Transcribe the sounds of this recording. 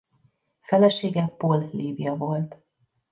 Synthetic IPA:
fɛlɛʃeːɡɛpolːiːbijɒvo̞lt̪

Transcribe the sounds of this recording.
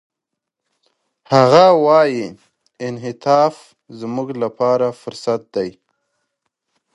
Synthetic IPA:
haɣawɑji | ɪnɦɪt̪ɑːf | zmuɡlapɑɾafʊɾsat̪̚d̪aj

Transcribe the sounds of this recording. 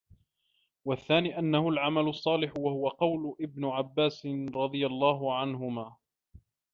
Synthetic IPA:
waθːaːniːʔanːahʊlʕamalʊsˤːɑːlɪħwahʊwaqɑwlʊʔɪbnʊʕabːaːsɾˤɑd̪ˤɨjalˤːɑːɦʊʕanɦʊmaː

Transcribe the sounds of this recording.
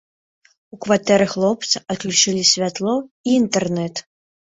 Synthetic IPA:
ukvat̪ɛɾɨxlˠɔp̚t̪sɐʔɐt̪̚klʲut͡ʂɨlʲisʲvʲat̪lˠɔiːnt̪ɛrnɛt̪

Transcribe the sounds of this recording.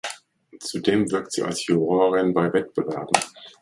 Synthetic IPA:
t͡sudeːmvɪɐk̚tz̥ḭːa̰lshuʁɔːʁɪnbaɪvɛt̚b̥əvɛɐbn̩

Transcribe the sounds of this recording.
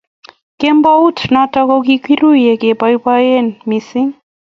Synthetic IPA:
kembaut̪nat̪akokikwiɾujekebajbaenmisiŋ

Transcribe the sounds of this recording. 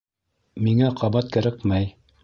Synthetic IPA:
miŋæqʰɑβɑt̪̚kæ̆ɾækmæj

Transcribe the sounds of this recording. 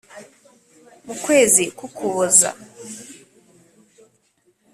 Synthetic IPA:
mukwe̞ːzikukʰuβoza̰

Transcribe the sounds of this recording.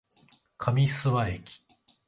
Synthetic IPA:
kʰamʲisɨβaekʲi̥

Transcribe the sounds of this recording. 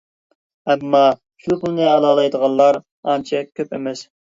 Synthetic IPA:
ɛmːɑ | ʃupʊlˠnɨɑlˠɑːlˠɑjd̪əʁɑnlːˠɑɾ | ɑnt͡ʃʰɛkʲʰøpemɛs

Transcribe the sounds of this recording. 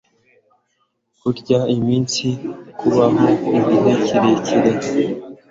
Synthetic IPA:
kuɾɟaimiːnsikʰuβamoiminecʰiɾecʰiɾe

